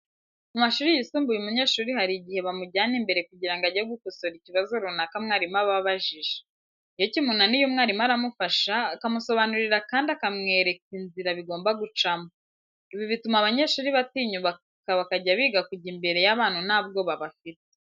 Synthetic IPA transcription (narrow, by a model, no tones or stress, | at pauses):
mumaʃuːɾijisuːmbujumuɲe̞ːʃuːɾihaɾiɟihe̞βamuɟaːnimbe̞ɾe̞kuɟiɾaŋɡaɟeɡukoso̞ɾiciβazoɾunakamŋaːɾimaβaβaʒiʒe | ijocimunanijomŋaːɾimaɾamufaʃaːkamuso̞βanuɾiɾakaːndiakamŋe̞ːɾe̞kinziɾaβiɡo̞ːmbaɡut͡ʃamo | iβiβitumaβaɲe̞ːʃuːɾiβatiːɲuβa | kaβakaɟaβiːɡakuɟimbe̞ɾe̞jaβaːnhunaːb̚ɡo̞βaβafite̥